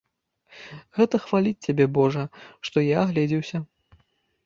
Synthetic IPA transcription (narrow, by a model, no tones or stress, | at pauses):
ɣɛt̪ɐxvalʲit͡sʲt͡sʲabʲɛbɔʐɐʂt̪ɔjaɣlʲɛd͡zʲiwsʲɐ